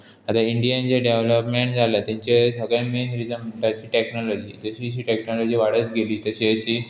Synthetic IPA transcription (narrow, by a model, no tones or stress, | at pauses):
at̪aiɳɖijənt͡ɕeɖeʋləpmeɳʈd͡zʱalat̪ãɲt͡ɕesəɡãmenɦiɾid͡zənm̤əɳʈat͡ɕiːʈeknɔlɔd͡ʑiːd͡zəɕiːəɕ̬iːʈeknɔlɔd͡ʑiːʋaɽ̤ət͡sɡʱeliːt̪əɕiːəɕiː